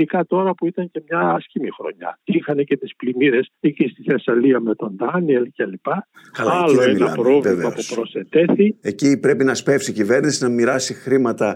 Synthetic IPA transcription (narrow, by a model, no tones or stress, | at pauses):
ikɐt̪o̞ɾɐpuit̪ɐɲce̞mɲɐɐscimixɾo̞̰ɲɐ̰t̪iŋxɐnecet̪isplimiɾe̞sicist̪iθesɐliɐme̞t̪o̞nd̪ɐnielcelipɐkɐlɐlo̞enɐpɾo̞vievmɐpupɾo̞set̪e̞θie̞cipɾe̞pinɐspefsicive̞ɾnisinɐmiɾɐsixɾimɐt̪ɐ